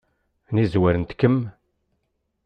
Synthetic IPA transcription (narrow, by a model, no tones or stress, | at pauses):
nizwæɾənt̪kːəm